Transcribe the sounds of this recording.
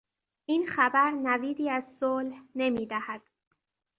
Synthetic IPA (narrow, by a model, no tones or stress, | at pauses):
ʔiːnxæbæɾnæviːd̪iːæzsoːlhne̞miːd̪æhæd̪̥